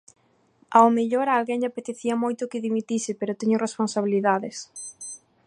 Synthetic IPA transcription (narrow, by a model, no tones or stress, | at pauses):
aomeʎoɾaːlɣeŋʎapet̪eθiɐmojt̪ʊkɪðimit̪isɪpeɾʊt̪eɲʊresponsaβiliðaðɪs